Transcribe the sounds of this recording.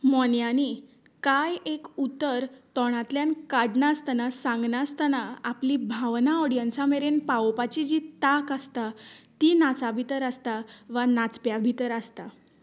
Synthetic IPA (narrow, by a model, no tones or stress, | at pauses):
mɔnjani | kajekut̪ːəɾt̪ɔɽ̃at̪ljankaɽɳast̪anasãŋɡnast̪anaːplibʱaʋnaɔɽijənsameɾenpaopat͡ɕid͡ʑit̪akast̪at̪inat͡sabʱit̪əɾast̪aʋanat͡spjabʱit̪əɾast̪a